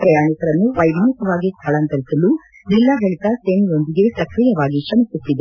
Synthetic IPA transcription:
pɾɐjaːɳikɐɾɐnːuʋɐjʋʱɐnikɐʋaːɡist̪ʰɐɭɐnt̪ɐɾisɐlːu | d͡ʒilːaɡɐɭit̪ɐseːniɾo̞nd̪iɡe̞sɐkɾijɐʋaːɡiʃɐmisusːid̪e

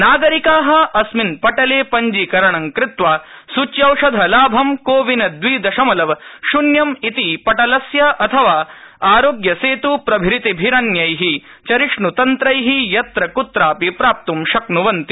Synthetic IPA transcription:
naːɡɐɾikaːɦɐ̆ɐsminpɐʈɐleːpɐɲd͡ʒikɐɾɐɳɐŋkɾɪt̪ʋaːsut͡ʃjɐwʂɐd̪ʱɐlaːbʱɐmkoːʋinɐd̪ʋiːd̪ɐʃɐmɐlɐʋʃunjɐmit̪ipɐʈɐlɐsjɐʔɐt̪ʰɐʋaːaːɾoːɡjɐseːt̪upɾɐbʱiɾit̪ibʱiɾɐnjɐjɦit͡ʃɐɾiʂɳut̪ɐnt̪ɾɐjɦijɐt̪ɾɐkut̪ɾaːpipɾaːp̚t̪umʃɐknuʋɐnt̪i̥

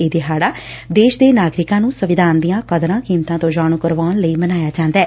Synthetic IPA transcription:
eːd̪eɦaːɽaː | d̪eːʃd̪eːnaːɡɾɪkãːnũːsəʋɪd̪ʱaːnd̪ijãːkəd̪ɾãːkiːmt̪ãːt̪õːd͡ʒaːñuːkəɾʋaːnləiːmənaːjaːd͡ʒãːnd̪ɛː

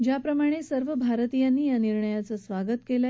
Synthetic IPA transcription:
d͡ʑjapɾəmaɽ̃esəɾʋəbʱaɾt̪ijanːiːjaniɾɳəjat͡səsʋaɡət̪kela

